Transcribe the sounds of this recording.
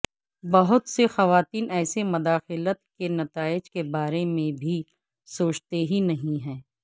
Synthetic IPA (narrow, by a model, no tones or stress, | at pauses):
bɐɦʊt̪sexɐʋaːt̪iːnɛːsemʊd̪aːxɪlət̪kenɐt̪aːɪd͡ʒkebaːɾemẽbʱi | soːt͡ʃt̪eɦinɐɦĩɦɛ̃ː